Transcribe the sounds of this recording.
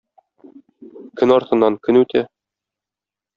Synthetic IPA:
kɵnɒɾt̪ɤ̆nːɑŋkɵ̆nʉt̪ʰæ

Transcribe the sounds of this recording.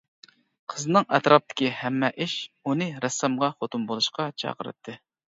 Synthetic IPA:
qʰəzɨnɨŋɛt̪ɾʔɑp̚t̪ʰɪ̥kʲihɛmːɛʔɪʃunɨɾɛsːɑmʁɑχot̪umbolˠuʃqɑt͡ʃʰɑ̰qəɾɨ̰t̪ʰːɨ

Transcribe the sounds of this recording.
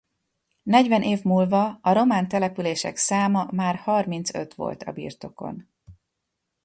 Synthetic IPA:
nɛɟvɛnʔeːvmuːlvɒɒɾo̞maːnt̪ɛlɛpyleːʃɛ̰ksaːmɒmaːrhɒrmint̪sø̞̰t̪ʋo̞̰lt̪ʰɒ̰bḭːrt̪o̞ko̞̰n

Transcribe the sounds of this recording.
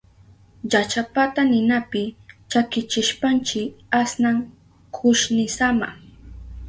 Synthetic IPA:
ʎat͡ʃapat̪anɪnapɪt͡ʃakɪt͡ʃɪʃpant͡ʃɪasnaŋ | kʰʊʃnɪsama̰

